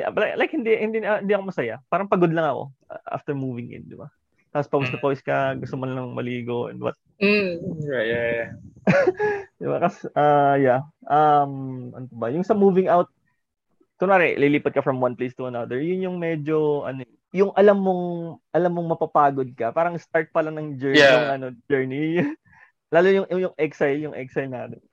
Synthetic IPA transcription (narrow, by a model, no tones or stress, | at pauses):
lalajk̚hɪnd̪ihɪnd̪inhɪnd̪iʔɐkomɐsɐjapaːɾɐŋpɐɡod̪lɐŋɐko̰ʔa̰ft̪ɛɹmuːvɪŋʔɪ̰nd̪ɪba̰ | t̪aːpospɐwsnɐpojskɐɡʊst̪omɐnlɐŋmɐliːɡo̞ʔɛ̰̃nd̪wɐ̰t̪̚ | m̩ | d̪ɪba̰kɐsʔajaʔɐmʔɐ̰nopɐbɐjʊŋsɐmuːvɪŋʔawt̪̚ | t̪ʊnaːɾɛʔliliːpɐt̪̚kɐfɹɐmwɐnplest̪ʊɐnɐd̪ɛɹjʊnjʊŋmɛd͡ʒoʔɐ̰no | jʊŋʔɐlɐmːo̞ŋʔɐlɐmːoŋmɐpapaːɡod̪̚kɐpaːɾɐŋst̪aɹt̪̚pɐlɐnɐŋd͡ʒɛɹjaŋʔɐnod͡ʒɛɹni | laːlojʊŋʊjʊŋʔɛksajljʊŋʔɛksɐjlnaːt̪ɛn